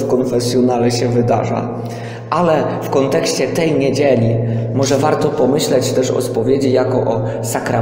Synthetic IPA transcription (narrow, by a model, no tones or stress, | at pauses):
kɔnfɛsʲjɔnalɛɕɛvɘd̪a̰ʐa̰ | ʔalɛfkɔnt̪ɛkɕt͡ɕɛt̪ɛjɲed͡ʑelʲimɔʐɛvaɾt̪ɔpɔmɘɕlɛt͡ɕt̪ɛʂɔ̰spɔvʲjed͡ʑijakɔʔɔ | sakɾa